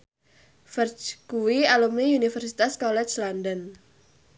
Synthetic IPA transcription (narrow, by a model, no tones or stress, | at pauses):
fərt͡ʃkuwialumiunifərsit̪askɔlɛt͡ʃlandən